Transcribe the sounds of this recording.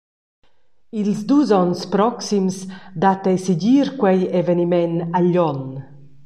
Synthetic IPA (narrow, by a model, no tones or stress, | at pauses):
ilzd̪uːzɔnspɾɔksimsd̪at̪ɛjsiɟiːɾkwɛjevenimɛnaʎːɔn